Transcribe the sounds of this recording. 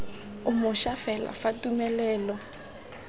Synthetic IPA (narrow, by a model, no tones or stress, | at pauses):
ʊmʊʃafɛla̰fatʼumɛlɛːlɔ